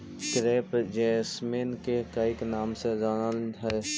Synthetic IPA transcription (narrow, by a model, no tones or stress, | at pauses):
kɾeːpd͡ʒeːsmeːnkekaɪknaːmsezaːnalɦɛ